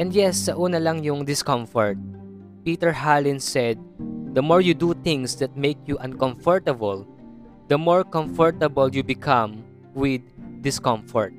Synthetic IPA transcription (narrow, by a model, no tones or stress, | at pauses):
ʔɛ̃nd̪jɛsːɐʔuːnɐlɐŋjʊŋd̪ɪskɔ̃mfɔɹt̪̚ | piːt̪ɛɹɦalɪ̃nsɛd̪̚ːɐmɔɹjud̪ut̪ɪ̃ŋsd̪ɐt̪̚mejkjuʔɐ̃nkɔ̃mfɔɹt̪ɐbɐl | d̪̥ɐmɔɹkɔ̃mfɔɹt̪ɐbɐljubɪkʰãm | wɪd̪̚ːɪskɔ̃mfɔɹt̪̚